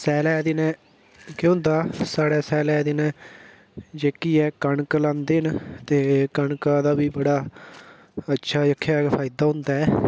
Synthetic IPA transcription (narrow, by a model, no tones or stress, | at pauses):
sɛːlɛːd̪ɪnɛ̃ː | kõnd̪aːsaːɽɛːsɛːlɛːd̪ɪnɛ̃ː | d͡ʒeːkiːɛːkəɳklãːnd̪eːnt̪eːkəɳkaːd̪aːbiːbəɽaː | ətːʃʰaːjəkʰːjaːpʰaːid̪aːɦʊ̃nd̪aːɛː